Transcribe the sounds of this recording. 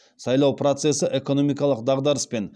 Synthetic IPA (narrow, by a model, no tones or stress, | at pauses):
sɑjlˠɑwpɾot̪se̞səʔe̞ko̞no̞mijkɑlˠəq̚d̪ɑʁd̪ɑɾəspe̞n